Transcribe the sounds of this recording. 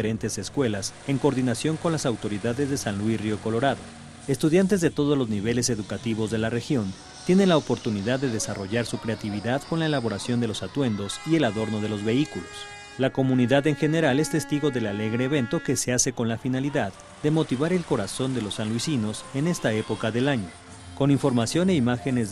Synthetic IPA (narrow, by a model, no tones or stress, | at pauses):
eɾent̪e̞se̞skwe̞lase̞ŋkoɾðinasjo̞ŋko̞nlasawt̪o̞ɾiðaðe̞zðesanlwisrjo̞ko̞lo̞ɾaðo̞ | e̞st̪uðjant̪e̞zðe̞t̪o̞ð̞o̞zlo̞zniβe̞le̞se̞ðukat̪iβo̞zðe̞lare̞xjo̞n | t̪je̞ne̞nlaopo̞ɾt̪uniðaðːe̞ðe̞saro̞ʝaɾsukɾe̞at̪iβiðaðko̞nlae̞laβo̞ɾasjo̞nd̪e̞lo̞sat̪we̞nd̪o̞sie̞laðo̞ɾno̞ð̞e̞lo̞zβe̞ikulo̞s | lako̞mũniðaðe̞ŋxe̞ne̞ɾale̞st̪e̞st̪iɣo̞ðe̞lale̞ɣɾe̞ːβe̞nt̪oke̞se̞aseko̞nlafinaliðað | d̪e̞mo̞t̪iβaɾe̞lko̞ɾaso̞nd̪e̞lo̞sːanlwisino̞se̞ne̞st̪ae̞po̞kaðe̞laɲo̞ | ko̞niɱfo̞ɾmasjo̞ne̞imaxe̞nez